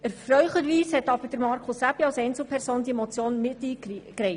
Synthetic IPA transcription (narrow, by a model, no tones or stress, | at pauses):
əɾfɾœʏχəɾʋiːshɛt̪ɑb̥əɾd̥əɾmɑɾkʰʊsæpiɑlsɛɪnt͡sl̩ˠpʰɛɾsoːnd̪imɔt͡sjoːnmɪt̪ːiːkɾɛɪ